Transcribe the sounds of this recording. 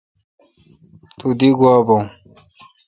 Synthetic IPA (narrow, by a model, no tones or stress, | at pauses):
t̪ud̪iɡuabow̃